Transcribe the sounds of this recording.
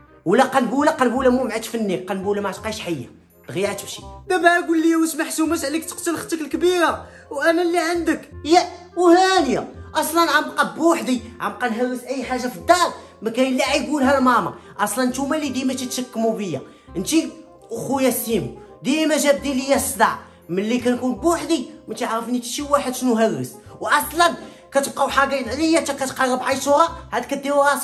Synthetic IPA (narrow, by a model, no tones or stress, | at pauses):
wlæqɑnbulæqɑnbulæmumʕat̪fənːiqɑnbulæmʕat̪qɑjʃħajːa̰ | lɣjaʕt̪əmʃib̪æmæɡulːijæwəsmaħt̪umæt̪ʕlikt̪ə̥qt̪əlxə̥t̪ːəkəlkbiɾa | wʔænælːiʕənd̪əkjæ | whænjaʔɑsˤlɑnʕamqɑbːuħd̪iʕamqɑnɦæəsʔæjːħaʒːafid̪ːɑɾˤ | mækæjəlaʕijɡulɦælmæmɑ̰ʔɑsˤlɑnt̪umælid̪imæt̪it̪ʃəkːmubəjːæ̰ | ənt̪i | ʔʊxujæsimud̪imæʒæb̚d̪iləjːæsˤd̪a̰ʕ | mənlikænkunbħd̪imæt̪iʕɣəfnit̪ʃiwaħəd̪ʃnuɦərːəswʔɑsˤlɑn | kæt̪əb̚qɑwħaɡæjnʕlijːæt̪ækæt̪qɑɾəbʕajt̪uhæhæd̪kæd̪ːiwɾɑs